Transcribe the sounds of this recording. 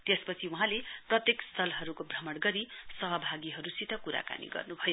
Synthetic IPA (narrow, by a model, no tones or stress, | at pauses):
t̪espʌt͡sʰiuɦãleprʌt̪jekst̪ʰʌlɦʌɾukobʱrʌmʌɽɡʌɾisʌɦʌbʱaɡiɦʌɾusit̪ʌkuɾa̰ka̰nḭɡʌ̰rnubʱʌjo